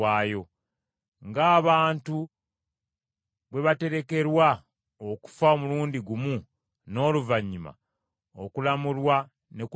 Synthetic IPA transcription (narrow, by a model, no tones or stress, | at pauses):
aːjo̞ | ŋɡaːβaːntu | βwe̞βate̞ɾe̞ke̞ɾwa | oku̥faomuluːndiɡumu | no̞ːluvaɲːima̰ | okulamulwa | ne̞ku